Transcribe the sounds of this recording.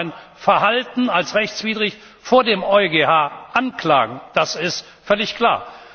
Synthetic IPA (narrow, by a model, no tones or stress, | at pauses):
ɪnfɛɐhaltn̩alsʁɛçt͡sv̥iːdʁɪç | foːɐdeːmɔʏɡehaːʔankl̥a̰ːɡŋ̩d̥asɪst | fœlɪçkʰl̥a̰ːɐ